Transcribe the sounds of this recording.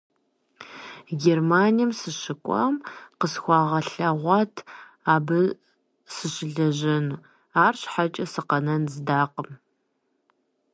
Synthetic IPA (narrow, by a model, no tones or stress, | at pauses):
ɡʲermaːnijɐmsɨɕɪkʷʼɐ̰mqəsxʷɑːʁɐɬɐʁʷɑːtʰ | aːbɨ | sɨɕɪɮɐʑɐnuː | aːrɕħat͡ʃʼɐsɨqɐnɐnzɨdaːqəm